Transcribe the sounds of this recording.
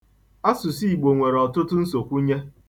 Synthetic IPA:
a˦sʊ˨si˦˨ɡ͡bo˨ŋʷe˨ɾɔ˨tʊ˦tʊ˦n̩˦so˨kʷu˦ɲe˦

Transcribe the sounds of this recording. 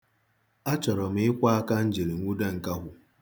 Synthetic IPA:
a˦t͡ʃɔ˨ɾɔ˨m̩˨˦ɪ˦kʷa˦a˦ka˦n̩˦d͡ʒi˨ɾi˨ŋʷu˦de˦ŋ̩˨ka˦ɦʷʊ˦

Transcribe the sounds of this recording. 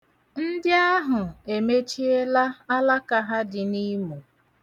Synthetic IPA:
n̩˦dɪ˦a˦ɦʊ˨e˨me˦t͡ʃi˦e˦la˦a˦la˦ka˨ɦa˦dɪ˨ni˦mu˨

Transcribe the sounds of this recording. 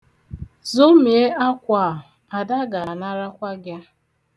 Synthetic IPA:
zo˦mi˨e˦ʔa˦kʷa˨ɦa˨da˦ɡa˨na˦ɾa˦kʷa˦ɡja˦

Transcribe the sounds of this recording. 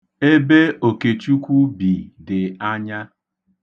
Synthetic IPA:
e˦be˦o˨ke˨t͡ʃu˦kʷu˦bi˨dɪ˨a˦ɲa˦

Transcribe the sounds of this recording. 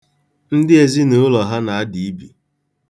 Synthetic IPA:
n̩˦dɪ˦e˨zi˦nʊ˨˦ʊ˦lɔ˨ɦa˦na˨a˦di˨i˦bi˨

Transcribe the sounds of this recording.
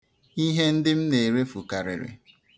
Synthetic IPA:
i˦ɦe˦n̩˦dɪ˦m̩˦ne˨ɾe˦fu˨ka˨ɾɪ̰˨ɾɪ̰˨

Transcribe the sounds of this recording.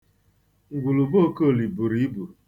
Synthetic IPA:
ŋ̩˨ɡʷu˨lu˨bo˦ko˦˨li˨bu˨ɾi˦i˦bu˨

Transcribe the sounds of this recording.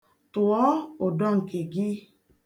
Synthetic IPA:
tu˨ɔ˨˦o˨dɔ˦˨ŋ̩˨ke˨ɡi˦

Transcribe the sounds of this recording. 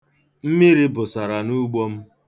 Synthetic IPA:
m̩˦mi˦ɾi˦bʊ˨sa˨ɾa˨nu˦ɡ͡bɔ˦m̩˦

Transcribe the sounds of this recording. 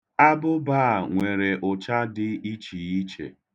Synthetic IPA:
a˦bʊ˦baː˦˨ŋʷe˨ɾe˨ʔʊ˨t͡ʃa˦dɪ˦i˦t͡ʃi˨i˦t͡ʃḛ˨

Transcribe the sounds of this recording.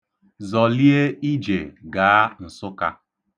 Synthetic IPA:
zɔ˨li˦e˦i˦d͡ʒe˨ɡa˨a˦n̩˨sʊ˦ka̰˨

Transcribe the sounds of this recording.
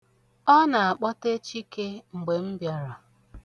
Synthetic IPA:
ɔ˦na˨a˨k͡pɔ˦te˦t͡ʃi˦ke˦ŋ͡m̩˨ɡ͡be˨m̩˦bja˦ɾa˨

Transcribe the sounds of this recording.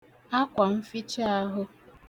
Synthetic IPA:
a˦kʷa˨m̩˦fi˦t͡ʃa˦a˦ɦʊ˦

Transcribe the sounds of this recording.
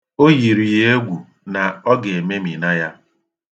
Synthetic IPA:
o˦ji˨ɾi˨je˦ɡʷu˨ | na˨ɔ˦ɡe˨me˦mi˨na˦ja˦

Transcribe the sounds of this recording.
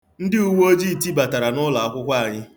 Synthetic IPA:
n̩˦dɪ˦u˦wo˦d͡ʒi˦˨ti˦ba˨ta˨ɾa˨nʊ˦la˨a˨kʷʊ˦kʷa˦a˨ɲɪ˦

